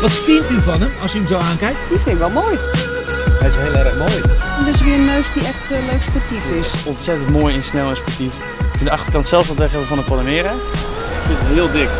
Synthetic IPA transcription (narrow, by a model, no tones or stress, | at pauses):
ʋɔtstiəntyfɔnəmɑsjəəmzowaːnkɛjk̚tdifɪnɪkʋɛlˠmoːj | hɛɪsɦɪəlˠɛɾəχmoːjɛdɔɪsʋiəənøːsdiɛxtløɥkspɔtifɪsɔntsɛtəntmoːjɛnsnɛlˠəspɔrtif | ɪkfɪndəɑχtərkɑntsɛlˠfʋɔtʋɛχɛəfɔndəpodəmɪəɾa | ɪkfɪntəɦɪəlˠdɪk